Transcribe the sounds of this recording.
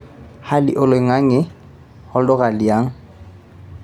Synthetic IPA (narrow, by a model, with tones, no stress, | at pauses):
ha˦lɪ̰˨ʔʊ˨le˨ŋa˦ŋɪ˦ | hɔ˦ldɔ˦ɣa˨li˨aː˦ŋ̩˦